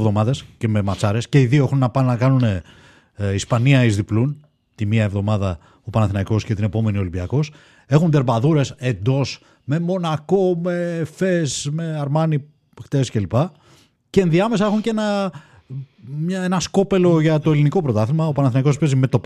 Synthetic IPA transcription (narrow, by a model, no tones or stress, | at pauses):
vðo̞mɐðe̞sce̞me̞mɐt͡sɐɾe̞sce̞iðio̞exunnɐpɐnːɐkɐnune | ispɐniɐizðiplun | t̪imiɐevðo̞mɐðɐ | opɐnɐθinɐiko̞scet̪ine̞po̞me̞nio̞limbiɐko̞s | e̞xund̪e̞ɾbɐðuɾe̞se̞nd̪o̞s | me̞mo̞nɐko̞mefesme̞ɐɾmɐni | xt̪esce̞lipɐ | ceːnðiɐme̞sɐe̞xuɲceenɐ | mɲɐenɐsko̞pe̞lo̞ʝɐt̪oeliniko̞pɾo̞t̪ɐθimɐopɐnɐθinɐiko̞spezime̞t̪o̞